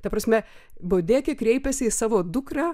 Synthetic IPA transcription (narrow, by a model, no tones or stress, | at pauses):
t̪ɐpɾɐsʲmʲɛboːd̪ʲeːkʲekɾʲɛɪpʲɛsʲɪisɑːʋoːd̪ʊkrɑː